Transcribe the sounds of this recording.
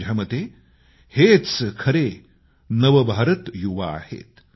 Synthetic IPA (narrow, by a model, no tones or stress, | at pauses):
d͡ʒʱɐmɐt̪eː | heːt̪skʰɐɾeː | nɐʋɐbʱaːɾɐt̪juʋa̰ːhḛːt̪